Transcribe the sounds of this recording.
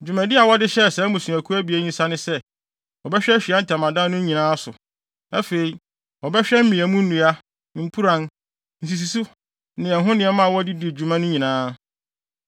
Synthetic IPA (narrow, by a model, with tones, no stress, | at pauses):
d͡ʑᶣu˨mæ̃˨dɪ˦a˨wɔ˦dɪ˦ɕɛ˦˨sɛ˨˦mũ˨sũ˨æ˨kʰu˦æ˦bi˨æ˦ɲĩ˦sa˦nɪ̃˦sɛ˦ | ɔ˨bɛ˦ɕᶣɛ˦ɕᶣi˨a˦n̩˦tʰa˨mã˨dã˦nʊ̃˦ɲĩ˨nãː˦sʊ̰˨ | æ˦fe˨i˨ | ɔ˨bɛ˦ɕᶣɛ˦m̩˦mĩ˨æ˨mũ˦n̩˦nũ˨a˦ | m̩˦pʰu˦ɾã˦n | n̩˨s̬i˨s̬i˨su˦ | nɪ̃˨ɛ˨ɦʊ̃˦nɪ̃˦ɛ˦mã˦a˨wɔ˦di˦di˨d͡ʑu˨mã˦nʊ̃˦ɲĩ˨nãː˦